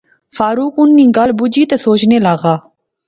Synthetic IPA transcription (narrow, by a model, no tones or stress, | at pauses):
fʰaːɾuːkʊnːĩːɡəlbʊd͡ʒiːt̪eːsoːt͡ʃneːlaːɣaː